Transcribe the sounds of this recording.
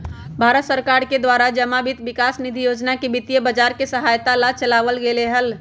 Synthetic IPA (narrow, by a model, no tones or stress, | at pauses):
bʱaɾət̪səɾkaɾked̪waɾad͡ʒəmabit̪bikasnid̪ʱijod͡ʒnakebit̪ijəbəd͡ʒaɾkesəɦajt̪alat͡ʃəlaʋəlɡeleɦəl